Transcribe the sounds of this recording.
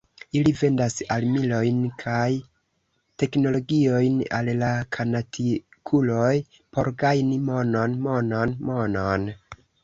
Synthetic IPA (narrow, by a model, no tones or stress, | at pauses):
ilive̞ndasalmilo̞jnkʰaj | te̞kno̞lo̞ɡio̞jna̰llakʰanatʰikʰulo̞j | po̞ɾɡajnimo̞no̞nmo̞nonmo̞non